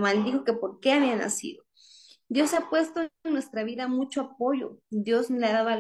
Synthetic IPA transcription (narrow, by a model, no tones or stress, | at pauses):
mald̪ixo̞ke̞po̞ɾke̞aβiana̰sḭðo | d̪jo̞sapwe̞st̪onnwe̞st̪ɾaβiðamut͡ʃoap̚o̞ʝo̞̰d̪jo̞zleaðaðoa